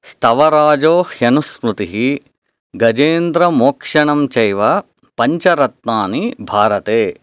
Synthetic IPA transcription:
st̪ʰɐʋɐɾaːd͡ʒoːhjɐnuspɾut̪iɦi | ɡɐd͡ʒeːnd̪ɾɐmoːkʂɐɳɐmt͡ʃɐjʋɐ | pɐɲt͡ʃɐɾɐt̪naːnibʱaːɾɐt̪eː

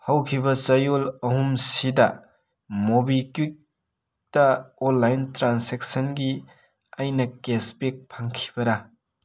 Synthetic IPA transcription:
hɐwkʰibɐt͡ʃɐjolɐhumsidɐ̰ | mobikuk̚ | tɐonːajntɾansek̚sɐnɡi | ɐjnɐkespek̚pʰaŋkʰi̥bɐɾɐ

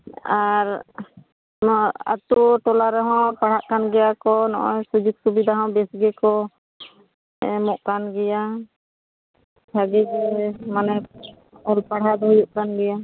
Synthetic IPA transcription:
aɾ | a̰t̪uʈɔlaɾɛɦɔ̃paɽɦaʔkanɡɛjakɔnɔ̰ʔɔjsud͡ʒuk̚subid̪aɦɔ̃bɛsɡɛkɔ | ɛ̰mɔʔkanɡɛja | sʰaɡɛd͡ʒɛmanɛ | ɔlpaɽ̤ad̪ɔɦujuʔkanɡɛja

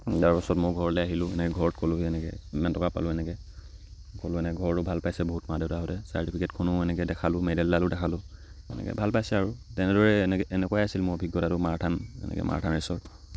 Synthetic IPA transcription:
jaɹpasɔtmʊɹɡʱɔɹɔlɛaɦilʊ̃ɛnɛkɛɡʱɔɹɔtkolʊɦiɛnɛkɛ̰imantɔkapa̰lʊɛnɛkɛ | kolʊɛnɛkɛɡʱɔɹɔtʊbʱalpajsɛboɦutmadeʊtaɦɔtɛsa̰ɹtipʰikɛtkʰɔnʊɛnɛkɛdɛkʰalʊmedɛldalʊdɛkʰalʊɛ̰nɛ̰kɛ̰bʱalpajsɛaɹutɛnɛdɔɹɛnɛɛnɛkɔajasilmʊɹbʱiɡjɔtaɾʊmaɹtʰanɛ̰nɛ̰kɛ̰mʔa̰ɹtʰanisɔɹ

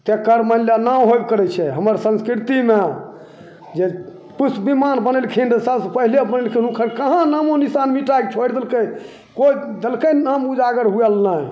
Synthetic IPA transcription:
t̪ekəɾməljanãɦojb̚kəɾɛt͡ʃʰɛɦəməɾsə̃nskɾit̪imea | d͡ʒe | pusbimanbənəlkʰinsəbsepəɦilebənəlkʰinũkʰəɾkəɦãnamonisanmiʈajk̚t͡ʃʰojɽd̪əlkəj | kod̪əlkənamud͡ʒaɡəɾɦuɛlnaj

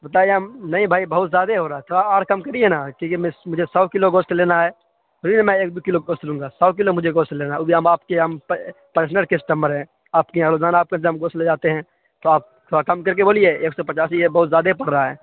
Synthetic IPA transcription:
bɐt̪aːjanɐɦĩbʱaːibɐɦʊt̪zjaːd̪eɦoɾaaɛt̪ʰoaaːɾkɐmkɐɾienakĩːkemɛ̃mʊd͡ʒʱesɔːkɪloɡoːsʈleːnaɦɛː | obinemɛ̃eːk̚d̪ukɪloɡoːstlũːŋɡasɔːkɪlomʊd͡ʒʱeɡoːsʈleːnaobʱiɦəmaːp̚keɦəmpəɾs̬nəɾkesɪ̥ʈə̃mbəɾɦɛ̃ | aːpkeaːloːd͡ʒaːnaːp̚kend̪eɦəmɡoːsled͡ʒaːt̪eɦɛ̃ | t̪oaːp̚tʰakɐmkɐɾk̬eboːlieeːksɔpɐt͡ʃaːsiebɐɦʊt̪zjaːd̪epɐɽɾaɦaɦɛː

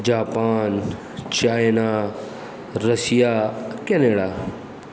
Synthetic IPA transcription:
d͡ʑaːpaːn | t͡ɕaːjna | ɾɐsijakeneɽaː

